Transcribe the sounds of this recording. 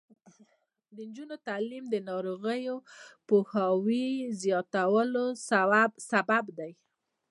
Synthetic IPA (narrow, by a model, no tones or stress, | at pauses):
d̪ənd͡ʒunot̪alimd̪ənɑɾoɣəjopohɑwizjɑt̪awəlosaabsababd̪aj